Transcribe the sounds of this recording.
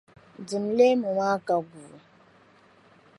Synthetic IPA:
n˨d͡zi˨mle˦mɔ˨ma˦ka˨ɡu˨

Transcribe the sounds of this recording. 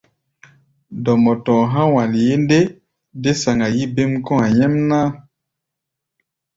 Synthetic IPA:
dɔ˨mɔ˨tɔ̃˨ɦã˦wa˨li˨je˦nde˦ | de˦sa˨ŋɡa˨ji˦be˦mkɔ̃˦a˨jɛ˦mna˦

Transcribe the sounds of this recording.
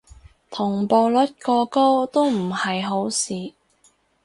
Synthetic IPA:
t̪ʰʊ˨˩ŋpoː˨˧wlɵ˨˥t̚kɔː˧ko˥wt̪o˥wm̩˨˩hɐ˨jɦo˨˥wsiː˨

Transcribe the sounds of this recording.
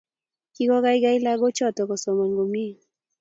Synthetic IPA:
ki˦kɔ˦ɡa˦ɪ˦ɡa˦ɪ˦la˦ɡo˦t͡ʃɔ˦˨tɔ˨kɔ˨sɔ˨mɔ˨ŋɡo˨mi˦˨

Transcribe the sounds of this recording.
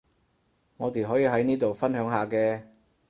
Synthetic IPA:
ŋɔː˨˧t̪eː˨ɦɔː˨˥jiː˨˧ɦɐ˨˥jniː˥t̪o˨wfɐ˥nɦœː˨˥ŋɦaː˨kɛː˧

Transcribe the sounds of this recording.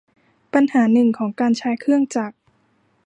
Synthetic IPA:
pa˧nhaː˩˦nɯ˨˩ŋkʰɔː˩˦ŋkaː˧nt͡ɕʰaː˧˦˥jkʰɯ˥˩əŋt͡ɕaː˨˩k̚

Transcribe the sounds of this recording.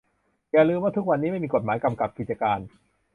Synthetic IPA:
jaː˨˩ɾɯː˧mwaː˥˩t̪ʰu˦˥k̚wa˧nːiː˦˥ma˥˩jmiː˧ko˨˩t̪̚maː˩˦jka˧mka˨˩p̚ki˨˩t͡ɕaː˧kaː˧n

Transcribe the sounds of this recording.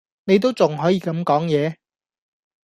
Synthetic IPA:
ne˨˧jt̪o˥wt͡sʊ˨ŋɦɔː˨˥jiː˧kɐ˨˧mkɔː˨˥ŋjɛː˨˧

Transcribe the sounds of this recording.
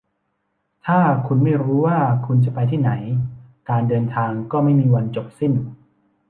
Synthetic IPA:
t̪ʰaː˥˩kʰu˧nma˥˩jɾuː˦˥waː˥˩kʰu˧nt͡ɕa˨˩pa˧jt̪ʰiː˥˩na˩˦jkaː˧ndɤː˧nt̪ʰaː˧ŋkɔː˥˩ma˥˩jmiː˧wa˧nt͡ɕo˨˩p̚si˥˩n

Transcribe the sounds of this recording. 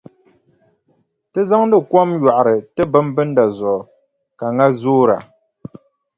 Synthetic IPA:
tɨ˦za˦ŋ˦dɨ˦kwɔ˦mja˨ʔa˨ɾɨ˨tɨ˦bɨ˦m˦bɨ˦n˦da˨zɔ˨ | ka˨ŋa˦zoː˦ɾa̰˨

